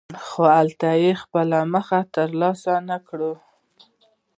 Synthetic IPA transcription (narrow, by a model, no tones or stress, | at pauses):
xoalt̪ajexpəlaməxat̪əɾlɑsanakɽu